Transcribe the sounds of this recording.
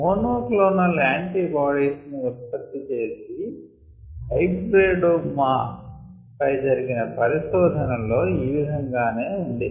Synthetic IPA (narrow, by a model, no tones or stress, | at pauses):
moːnoːkloːnɐlaːɳʈiːbaːɽiːsniʋispɐd̪ːit͡ʃe̞ːsi | ɦɐjʈɾeːɖoma | pɐjd͡ʒɐɾiɡinɐpɐɾiʃɔːd̪ʱɐnɐlo̞ːiːʋid̪ʱɐŋɡaːne̞ːuɳɖi